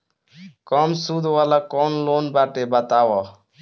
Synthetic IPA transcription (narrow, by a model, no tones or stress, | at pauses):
kɔmsud̪ʱʋalakɔnlonbaʈebət̪awɔ